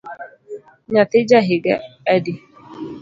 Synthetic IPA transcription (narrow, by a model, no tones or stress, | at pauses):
ɲatɪd͡ʒaɦɪɡaadɪ